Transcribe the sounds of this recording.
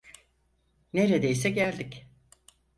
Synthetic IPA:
ne̞ɾed̪ejsɛɟælʲd̪ic

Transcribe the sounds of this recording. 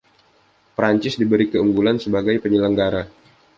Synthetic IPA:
pɾaɲt͡ʃɪsdibəɾikəuŋɡulansəbaɡajpəɲələŋɡaɾa

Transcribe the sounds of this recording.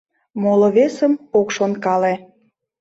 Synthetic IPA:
moloβesəmokʃonkɑle

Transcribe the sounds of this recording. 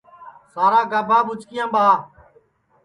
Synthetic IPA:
saːɾaːɡəbʱaːɓʊt͡ʃkɪjãːɓʱaː

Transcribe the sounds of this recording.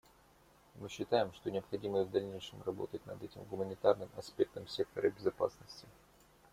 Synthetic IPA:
mɨɕːɪt̪ajɪmʂt̪o̞nʲɪɐpxɐdʲiməvd̪ɐlʲnʲejʂɨmrɐbo̞̰t̪ətʲnɐ̰d̪ɛtʲɪmɡʊmənʲɪt̪arnɨmɐspʲe̞k̚t̪əmsʲe̞k̚t̪əɾəbʲɪzɐpa̰snəsʲtʲɪ

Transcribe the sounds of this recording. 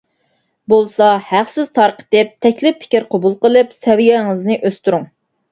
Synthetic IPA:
bolˠsɑhæχsɪz̥t̪ʰɑɾqʰə̥t̪ɪp̚t̪ʰɛkʲlɪpʰːɪ̥kʲiɾqʰobulˠqəlˠɨpsɛwijɛŋɨznɨʔøst̪uɾʊŋ

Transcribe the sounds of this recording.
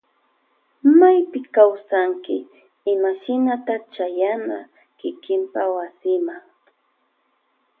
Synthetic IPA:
majpɪkawsaŋkɪ | ɪmaʃɪnat̪at͡ʃajana | kɪkɪmpawasɪmaŋ

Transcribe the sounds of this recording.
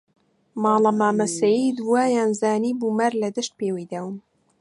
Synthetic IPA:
mɑːlɑmaːmɐsɐjid̪uwaːjaːnzaːniːbuːmaɾlɐd̪ɨʃt̪̚peːwijd̪awm

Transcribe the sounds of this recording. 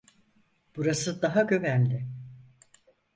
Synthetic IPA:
b̥uɾasɯd̪aɦaɟø̞vænlʲɪ

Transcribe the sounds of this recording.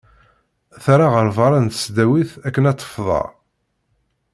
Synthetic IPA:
θaɾaʁəɾvɑɾˤɑnt̪ə̥sd̪æwiθækːənæt͡s̪ˤːə̥fðˤɑ̰

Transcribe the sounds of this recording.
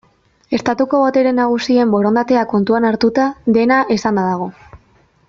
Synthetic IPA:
e̞st̪at̪uko̞βot̪e̞ɾe̞nːaɣ̞usie̞mbo̞ɾo̞nd̪at̪e̞ako̞nt̪uanaɾt̪ut̪aðe̞naʔesand̪aðaɣ̞o̞

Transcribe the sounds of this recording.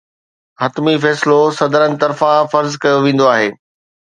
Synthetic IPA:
ɦɐt̪mifɛːslosɐd̪əɾənɪ̆t̪ɐɾfãfɐɾzkɐjoʋẽːn̆d̪oaːɦeː

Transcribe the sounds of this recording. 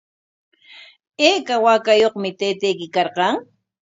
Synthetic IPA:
eːkawaːkajoχmɪt̪ejt̪ejkɪkɑɾqɑŋ

